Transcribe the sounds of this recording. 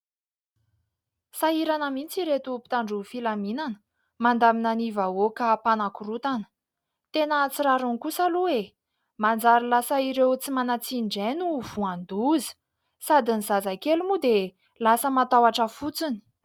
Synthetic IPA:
saiɾanəmint͡siɾet̪upi̥t̪aɳɖ͡ʐufilaminanə̥ | mand̪aminanivaokapanakuɾut̪anə̥ | t̪enət͡siɾaɾunikusaluwe | mand͡zaɾilasəiɾewt͡simanat͡siɳɖ͡ʐenuv̥uand̪uzə̥ | sad̪iniz̥azakelumud̪e | lasəmat̪awaʈ͡ʂəfut͡suni̥

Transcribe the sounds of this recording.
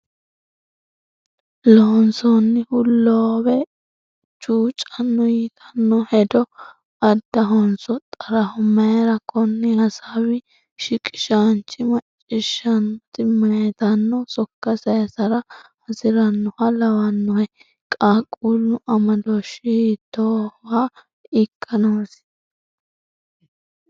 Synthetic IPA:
lɔɔnsɔnːɪhʊlːowɛ | t͡ʃuːt͡ʃʼɐnːɔjiːt̪ʰɐ̥nːɔhɛd̪ɔ | ɐd̪ːɐɦɔnsɔt̪ʼɐɾɐhʊmɐjɐɾɐkʰɔnːɪhɐsawɪ | ʃɪkʼɪ̥ʃaːnt͡ʃːɪmɐt͡ʃʼːɪʃɐnt̪ɪmɐjɛt̪ɐnːɔsɔkːɐsɐjɐsɐɾɐhɐsɪɾɐnːʊhɐlɐwɐnːɔhɛ | kʼaːkʼulːʊʔɐmɐd̪oʃɪhiːt̪ːowa | ɪkʰːɐnoːs

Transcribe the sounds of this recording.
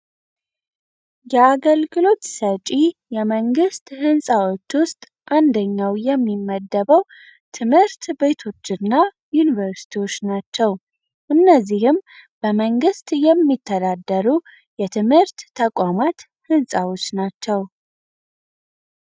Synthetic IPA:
jɛaɡəlɡɨlo̞t̪sət͡ʃʼijɛməŋɡɨst̪hɨnsʼawo̞t͡ʃːwʊst̪ʼ | ʔand̪əɲːawjɛmːimːəd̪ːəβəw | t̪ʰɨmhɨɾt̪be̞t̪ʰo̞t͡ʃːɨnːa | junivəɾsi̥t̪ʰiwo̞t͡ʃːnat͡ʃːɛw | ʔɨnːəzːihɨmb̥əməŋɡɨst̪ʼjɛmːit̪ʰːəd̪ad̪ːəɾu | jɛt̪ʰɨmhɨɾt̪ːʰəkʼamat̪ | hɨnsʼawo̞t͡ʃːnat͡ʃːɛw

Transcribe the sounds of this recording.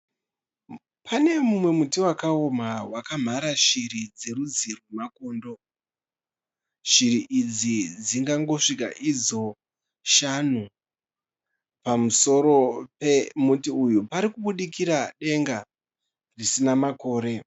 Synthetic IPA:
pʰane̞mumwe̞mutiwakaomawakam̤aɾaʃirid͡ze̞ɾud͡zirwemako̞ːndo̞ | ʃiɾiʔid͡zid͡ziŋɡaŋɡo̞ʂika̰ʔid͡zo̞ | ʃanu | pamuso̞ɾo̞pemutiujupaɾikuɓuɗikiɾaɗe̞ŋɡa | risinamako̞ːɾe̞

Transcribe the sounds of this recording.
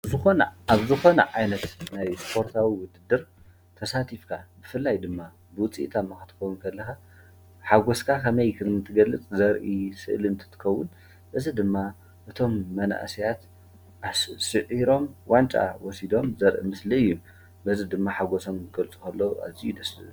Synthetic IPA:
zɨxonɐaβzɨxo̞nɐ̰ʕajnɐt̪najspʰo̞ɾt̪ʰawiwʊd̪ɨd̪ɨɾ | t̪ʰɐsat̪ʰifkʰabɨfɨlːajd̪ɨmːa | bɨwʊt͡sʼḭʔt̪ʰamːaxɨ̥t̪ʰɨ̥kowunkʰɐlːɐxa | ħaɡoskʰakʰɐmɐjkʰɨmɨnt̪ʰɨɡɐlːɨt͡sʼzɐɾʔisɨ̰ʔlɨnt̪ʰɨ̥t̪ʰːɨ̥kɐwːʊn | bɨzid̪ɨmːa | ʔɨt̪ʰo̞mːɐna̰ʔsijat̪ | ʔassɨʔiɾo̞mwant͡ʃʼa̰wɔsid̪o̞mzɐɾʔḭmɨsliɨjːum | bɐzɨd̪ɨmːaħaɡoso̞mɡɐlt͡sʼu̥kʰɐlːoa̰βzijud̪ɐslɨ̰

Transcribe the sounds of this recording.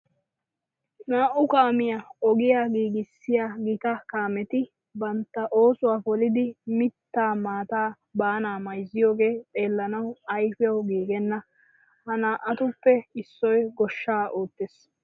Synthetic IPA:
naːʔʊkaːmɪjaɔɡɪjaːɡiːɡɪsːɪjaɡɪt̪ɐkaːmɛt̪ɪ | bɐnt̪ːɐʔo̞ːsʊwaːfɔlɪd̪ɪmɪt̪ːaːmaːt̪aː | baːnaːmɐjzːɪjo̞ːɡe̞ːt̪ʼe̞ːlːɐnɐwɐjfɪjɐwɡiːɡɛnːɐ | hɐnaːʔɐt̪ʊpːɛɪsːɔjɡɔʃːaːʔoːt̪ːes

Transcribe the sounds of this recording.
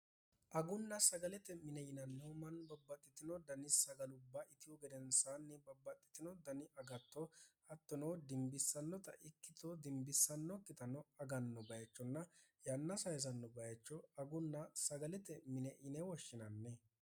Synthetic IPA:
ʔɐɡʊnːɐsɐɡɐlɛt̪ɛmɪnɛɪnɐnːɛɔmɐnbɐbːɐt̪ʼːɪt̪ɪnɔd̪ɐnɪsɐɡɐlʊbːaːɪt̪ɪjɔɡɛd̪ɛnsaːnːɪbɐbːɐt̪ʼːɪ̥t̪ɪnɔd̪ɐnɪɐɡɐt̪ːɔ | ɐt̪ːɔnod̪ɪmbɪsːɐnːɔt̪ɐ̰ʔɪkːɪt̪od̪ɪmbɪsːɐnːɔkʼːɪt̪ɐnɔɐɡɐnːɔbɐjɐt͡ʃːɔnːɐjɐnːɐsɐjs̬ɐnːɔbɐjɐt͡ʃːɔɐɡʊnːɐsɐɡɐlɛt̪ɛmɪnɛʔɪnɛwɔʃːɪnɐnːɛ

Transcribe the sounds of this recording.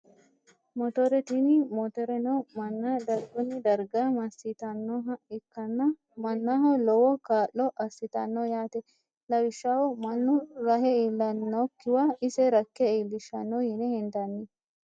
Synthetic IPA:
mɔt̪ɔɾɛt̪inɪmɔt̪ɔɾɛnomɐnːad̪ɐɾɡɔnːɪd̪ɐɾɡamɐsːɪt̪ɐnːoɦɐɪkːɐnːɐ | mɐnːaɦɐlɔwɔkaːʔːɔʔɐsːɪt̪ɐnːojaːt̪ɛ | lɐwɪʃːawɔmɐnːʊɾɐɦɛiːlːɐnːokːɪwaɪsɛɾɐkːɛiːlːɪʃɐnːojɪnɛhɪnd̪ɐnːɪ

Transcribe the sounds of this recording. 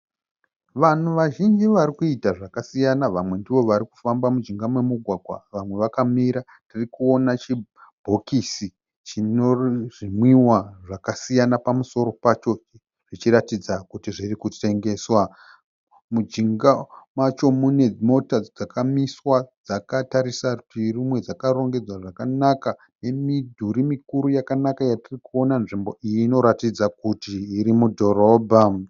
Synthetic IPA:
ʋan̤uʋaʒind͡ʒiʋaɾikuitaʐakasijanaʋamwe̞ndiʋo̞ʋaɾiku̥fambamud͡ʒiŋɡamwe̞muɡʱwaɡʱwa̰ʋamwe̞ʋakamiɾa | tirikuo̞nat͡ʃibʱo̞kisi | t͡ʃinoʐimwiwaʐakasijanapamuso̞ɾo̞pat͡ʃo̞ | ʐ̥it͡ʃiɾatid͡zakutiʐirikute̞ŋɡe̞ːswa | mud͡ʒiŋɡamat͡ʃo̞mune̞mo̞tad͡zd͡zakamiswad͡zakataɾisautirimwe̞d͡zakaɾo̞ŋɡe̞d͡zwaʐakanaka | ne̞midʱuɾimikuɾujakanakajatirikuo̞nanʐimbo̞ʔijiːno̞ɾatid͡zakutiːɾimudʱo̞ɾobʱa

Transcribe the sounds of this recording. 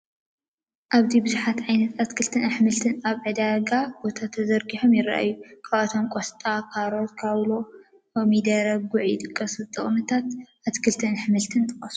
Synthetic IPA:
ʔaβt̪ʰibɨzuħat̪ʕajnɐt̪at̪kʰɨlt̪ʰɨnħɨmɨlt̪ʰɨnaβʕɨd̪aɡab̥o̞t̪ʰat̪ʰɐzɐɾɡiħomjɪɾa̰ʔa̰jːukʰaβɐt̪ʰomkʼost̪ʼakʰaɾo̞t̪kʰaβlo̞ | komid̪ɐɾɐɡ̚ɡʊʕɪd̪ɨkʼːɐsɨt̪ʼɨχʼnɨt̪ʰat̪ʔat̪kʰɨlt̪ʰɨnħɨmɨlt̪ʰɨnt̪ʰʼɨχʼɐsu

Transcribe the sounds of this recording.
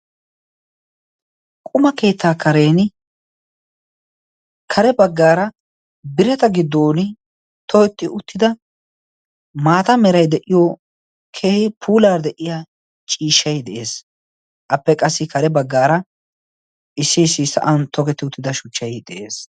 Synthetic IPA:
kʼʊmɐke̞ːt̪ːaːkʰɐɾe̞ːn | kʰɐɾɛbɐɡːaːɾɐ | bɪɾɛt̪ɐɡɪd̪ːoːnɪ | t̪ʰɔkɛt̪ːɪʊt̪ːɪd̪ɐ | maːt̪ɐmɛɾɐjd̪ɛʔɪjo | kʰeːhɪpʰuːlaːɾd̪ɛʔɪja | t͡ʃʼiːʃːɐjd̪ɛʔe̞ːs | ʔɐpːɛkʼɐsːɪkʰɐɾɛbɐɡːaːɾɐ | ʔɪsːɪːsːɪsɐ̰ʔɐnt̪ʰɔɡɛt̪ːɪʊt̪ːɪd̪ɐʃʊt͡ʃːɐjd̪ɛʔe̞ːs

